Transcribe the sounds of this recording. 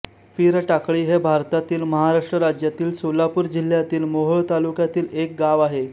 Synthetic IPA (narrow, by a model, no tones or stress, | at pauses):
piɾʈakɭiːɦebʱaɾt̪at̪iːlməɦaɾaʂʈɾəɾad͡ʑjat̪iːlsolapuːɾd͡ʑil̤jat̪iːlmoɦəɭt̪alukjat̪iːlek̚ɡaʋaɦe